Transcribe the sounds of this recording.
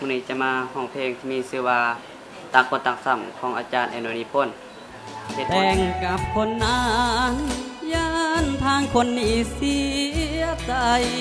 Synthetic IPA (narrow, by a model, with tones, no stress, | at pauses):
mʰu˧˨niː˧˩t͡ɕa˧maː˧hɔ˧˩ŋpʰeː˧˨ŋt̪ʰiː˧˨miː˧˨sɯː˧˩waː˧ | t̪a˧˥k̚po˧˨t̪a˧k̚sa˧˩˨mkʰɔː˧˦ŋʔaː˧t͡ɕaː˧˨nʔɛː˧˩noː˧ni˧˩pʰo˧˥˨n | he˧˦t̪̚ʔɛː˧ŋka˧p̚kʰo˧˥nːaː˧ŋjaː˧˥nt̪ʰaː˧˥ŋkʰo˧˥nːiː˧˥si˧˥˦ɐət͡ɕa˧j